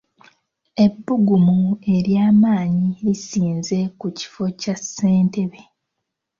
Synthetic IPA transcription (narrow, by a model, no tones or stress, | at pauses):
e̞bːuɡumue̞ɾjaːmaːɲiɾisiːnze̞kuci̥fo̞case̞ːnte̞βe̞